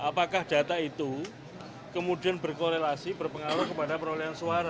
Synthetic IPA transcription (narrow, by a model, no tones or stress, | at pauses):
ʔapakahd̥a̤t̪ait̪u | kəmudianbərkoɾelasibərpəŋaɾʊkəpadapəɾoliansuaɾa